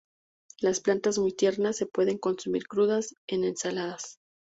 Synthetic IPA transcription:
lasplant̪azmujt̪je̞ɾnasːe̞pwe̞ðe̞ŋko̞nsumḭɾkɾuðase̞ne̞nsalaðas

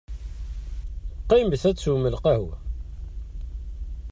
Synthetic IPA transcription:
qːimbəθæt͡sːuməlqæhu

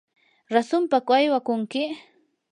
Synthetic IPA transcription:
ɾasʊmpakajwakʊŋkɪ

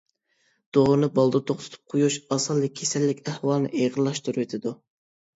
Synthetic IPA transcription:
d̪̥oʁʊnɨbɑlˠd̪ɨt̪ʰoχt̪ʰɨ̥t̪ʰʊ̥p̚qʰojuʃɑsɑlˠːɨkʲʰesɛlːɪkʲæhwɑlˠnɨ̰ʔeʁəlˠːɑʃt̪uɾuwet̪ʰɪd̪u

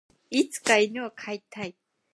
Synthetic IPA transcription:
it͡sʰkajnuakʰajt̪ʰajt̪̚

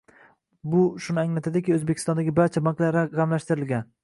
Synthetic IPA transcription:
bʊʃʊnɪaŋlat̪ʰad̪ɪkʲɪɵzbekʲʰɪ̥st̪ɒnd̪aɡʲɪbaɾt͡ʃʰabaŋklaɾʁɑmlaʃt̪ɪɾɪlɡʲan

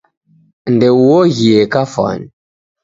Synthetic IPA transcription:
ndewoɣiekafa̰n

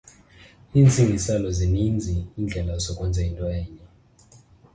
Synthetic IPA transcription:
ind͡zʱiŋɡisalɔzinind͡zʱiːnd͡ɮʱɛlasɔkʼɔnd͡zʱɛindʼwɛːɲɛ

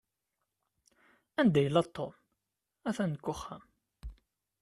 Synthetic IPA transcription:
ænd̪æjəlːæt̪ʰˤːom | æθænkːʊχæm

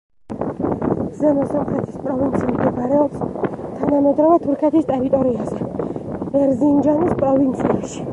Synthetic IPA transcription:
zɛmɔsɔmχɾɛt̪ʰispʼɾɔvint̪sʰimd̪inaɾɛɔpst̪ʰanamɛd̪ɾɔvat̪ʰuɾkʰɛt̪ʰist̪ʼɛɾit̪ʼɔɾiazɛbɛɾzind͡ʒanispʼɾɔvint̪sʰiaʃi̥

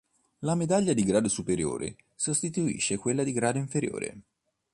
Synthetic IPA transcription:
lamed̪aʎːad̪iɡɾaːd̪osupeɾjo̰ːɾḛ | sost̪it̪uḭʃːekwelːad̪iɡɾaːd̪oiɱfeɾjo̰ːɾḛ

